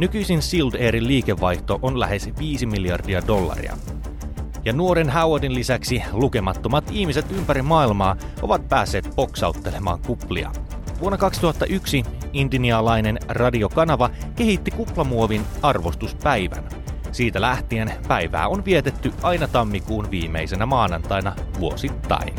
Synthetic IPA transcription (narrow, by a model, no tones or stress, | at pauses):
nykyjsinsild̪eːɾilliːke̞ʋːɑjht̪o̞ʔonlæ̰ɦe̞sʋiːsimiljɑ̰rdiɑdo̞lːɑ̰rḭɑ̰ | jɑnuo̞ɾenɦæwodinlisæksiluke̞mɑt̪ːo̞mɑt̪ihmise̞t̪ympæɾimɑːilmɑːʔo̞ʋɑt̪̚pæːsːe̞ːt̪̚po̞ksɑ̰ut̪ːe̞le̞mɑ̰ːŋkuplḭɑ̰ | ʋuonːɑkɑksi̥t̪uhɑt̪ːɑʔyksiindiniɑlɑjne̞nrɑdio̞kɑnɑʋɑke̞ɦit̪ːikuplɑmuo̞ʋinɑrʋo̞st̪uspæjʋæ̰n | siːt̪ælæht̪ienpæjʋæ̰ːo̞nʋiet̪e̞t̪ːyʔɑjnɑt̪ɑmːikuːnʋiːme̞̰jse̞næmɑːnɑnt̪ɑjnɑʋuosit̪ːɑ̰in